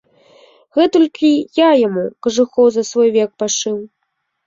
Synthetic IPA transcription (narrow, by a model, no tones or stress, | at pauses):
ɣɛt̪ulʲkʲijajamukɐʐɨxɔwzɐsvɔjvʲɛk̚paʂɨw